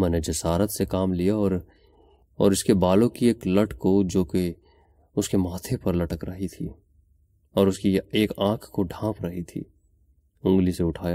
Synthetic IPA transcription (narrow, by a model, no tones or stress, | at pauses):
mɛ̃ːned͡ʒɐsaːɾət̪sekaːmlijaɔːɾ | ɔːɾʊskebaːlõkieːklɐʈkod͡ʒoːke | ʊskemaːt̪ʰepɐɾlɐʈəkɾɐɦit̪ʰiː | ɔːɾʊskieːkãːkʰkoɖʱãːpɾɐɦit̪ʰḭː | ʊ̃ŋɡliseʊʈʰaːjaː